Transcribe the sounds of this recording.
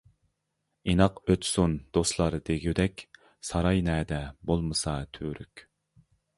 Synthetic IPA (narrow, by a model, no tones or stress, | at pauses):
inɑqøt̪sund̪̥oslˠɑɾd̪eɡʲyd̪ɛkʲ | sɑɾɑjnɛːd̪ɛbolˠmɨsɑt̪ʰyːɾykʲ